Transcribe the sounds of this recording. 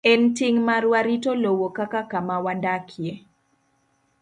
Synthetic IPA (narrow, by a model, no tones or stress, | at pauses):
ɛntɪŋmaɾwaɾitolowokakakamawadakʰje